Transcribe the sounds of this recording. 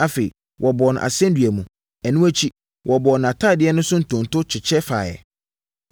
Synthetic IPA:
a˦fe˨ḭ˨ | wʔɔ˨bɔ˨ñ˨ʔa̰˨sɛ̃˦n˦dɥæ˨mũ˨ | æ˨nũ˦æ˦t͡ɕʰi˦ | wʔɔ˨bɔ˨ñ˨a˨tʰaː˦˨dɪ˨˦ɛ˦nʊ̃˦sʊ̃˦n̩˨tʰʊ̃˨n˨tʰʊ˦t͡ɕʰɪ˨t͡ɕʰɛ˦fa̰ː˨jɛ̰˨

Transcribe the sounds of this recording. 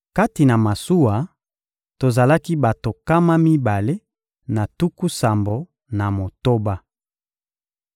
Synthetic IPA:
ka˦ti˨na˨ma˨su˦wa˨ | to˨za˨la˦ki˦ba˨to˨ka˦ma˦mi˦ba˨le˦ | na˨tu˦ku˦sa˨mbo˨ | na˨mo˨to˦ba˦

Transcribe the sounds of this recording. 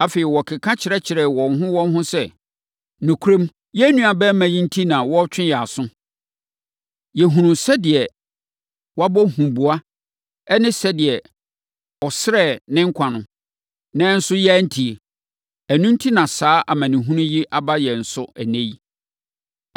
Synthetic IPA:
a˨fe˨ɪ˨wɔ˨kʰɪ˨kʰã˦t͡ɕʰɪ˨ɾɛ˦t͡ɕʰɪ˨ɾɛ˨wɔ̃˨n˦ɦʊ̃˦wɔ̃˦n˦ɦʊ̃˦sɛ˦ | nũ˨kʰu˦ɾẽ˦m | jɛ˦nũ˦a˨bɛ˦mã˨jĩ˦n̩˦tʰi˦nã˨wɔ˦t͡ɕᶣɪ̃˦jɛ˨a˨sʊ̃˦ | jɛ˨ɦũ˨nʊ̃˨sɛ˦dɪ˨ɛ˨ | wɔ˦a˦bɔ˦hũ˨bu˨a˦ | ɛ˦nɪ̃˦sɛ˦dɪ˨ɛ˨ | ɔ˨sɪ˦ɾɛ˦˨nɪ̃˦ŋ̩˦kʷʰa˨nʊ̃˨ | nã˦n̩˦sʊ˦jɛ˦n̩˦tʰi˨e˨ | æ˨nũ˦n̩˦tʰi˦nã˨saː˨˦ʔa˨mã˨nɪ̃˨ɦũ˦nʊ̃˦ji˦ʔa˦ba˦jɛ˨n̩˨sʊ˦æ˨nẽ˦i˦

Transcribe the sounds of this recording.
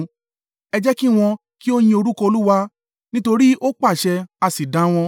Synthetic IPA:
ɛ˧d͡ʒɛ˦ki˦˨w̃ɔ̃˧ | ki˦o˦j̃ĩ˧o˧ɾu˦kɔ˧o˧lu˦wa˧˦ | nĩ˦to˧ɾi˦ʔo˦k͡pa˦˨ʃɛ˧a˧si˨dã˨˦w̃ɔ̃˧

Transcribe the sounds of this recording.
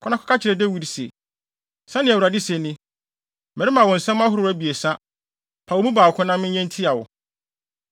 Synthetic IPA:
kʰɔ˦nã˦kʰɔ˦kʰa˦t͡ɕʰɪ˨ɾɛ˨dɛ˦wi˦ɾsḛ˨ | sã˦nɪ̃˨æ˨wu˨ɾa˨dɪ˦sɛ˨nɪ̃˦ | mɛ˨ɾɪ˦mã˨wɔ̃˨n̩˨sɛ̃˦m˦ã˦ɦʊ˦ɾʊ˨˦æ˦bi˨e˨sã˦ | pʰa˨wo˨˦mũ˦baː˨kʰʊ̃˦nã˦mɪ̃˦ɛ̃˦n˦tʰi˦a˨wʊ̰˨

